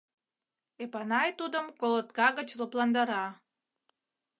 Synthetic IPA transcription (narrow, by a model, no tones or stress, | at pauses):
epɑnɑjt̪ud̪ə̆mkolˠot̪̚kɑɣə̆t͡ɕloplˠɑnd̪ɑɾɑ